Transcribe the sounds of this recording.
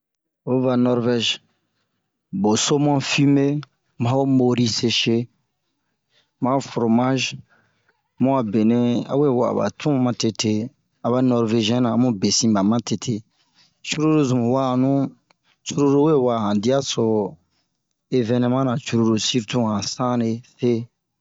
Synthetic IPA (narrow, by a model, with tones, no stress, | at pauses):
o˦va˨nɔ˧˦ɾvɛ˦ʒ | bo˨so˦mɔ̃˦fi˦me˦ | mã˦o˦mo˨ɾi˦se˧ʃe˦ | mã˦fɾo˨ma˦ʒ | mũ˦a˨be˨ne˦a̰˨˦we˦˨wa̰˨ba̰˨tʰũ˦mã˨te˧tʰe˦ | a˨βa˦nɔ˧ɾve˧ʒi˦ɛ̃˦nã˨˦mũ˦be˨sĩ˦ba˨mã˦tʰe˨tʰe˨ | t͡ʃu˦ɾo˦ɾo˦zũ˨mũ˨wa˦˨nũ˦ | t͡ʃu˦ɾo˦ɾo˦we˦˨wa˨hã˨di˦a˦so˨ | e˦vɛ̃˦nɛ̃˧˦mã˦nã˨t͡ʃu˦ɾo˦ɾo˨si˦ɾtũ˦hã˨sã˦ne˨fe˦